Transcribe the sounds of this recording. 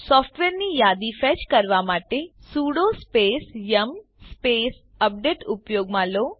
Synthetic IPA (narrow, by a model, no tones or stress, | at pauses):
sɔːpʰʈʋeːɾnijaːd̪ifɛt͡ʃkɐɾʋamaːʈesuːɽospeːsjɐm | speːs | ɐp̚ɖeːʈupjoːɡmãːloː